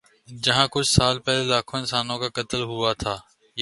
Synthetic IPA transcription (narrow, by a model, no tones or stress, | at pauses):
d͡ʒɐɦãːkʊt͡ʃʰsaːlpɛːlelaːkʰõːɪ̃nsaːnõkakɐt̪əlɦʊat̪ʰaː | j